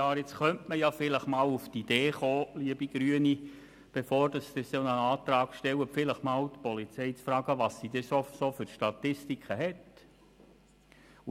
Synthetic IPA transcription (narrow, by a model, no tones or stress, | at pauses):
ɑːɾɪt͡sχœntməjafɪləχmɑːluft̪id̥̪eːχoːliəbiɡ̥ɾyəni | b̥efoːrd̥ɑsd̥̪ɪsonəɑːt̪ɾɑːɡ̥ʃtɛwəfɪləχmɑːwt̪pɔlit͡sɛɪt͡sfɾɑːɡəʋɑsːid̥ɛsosofʏrʃtɑt̪ɪstikχəɦɛt